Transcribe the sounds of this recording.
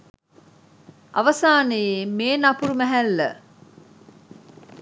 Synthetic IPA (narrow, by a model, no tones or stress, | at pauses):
ʔa̰ʋɐsaːnəjemeːnapuɾumæɦælːə̰